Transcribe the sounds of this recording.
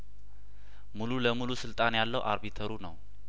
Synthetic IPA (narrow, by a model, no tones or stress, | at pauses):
mululəmulusɨlt̪ʼanjalːəwʔaɾbit̪ʰəɾunəw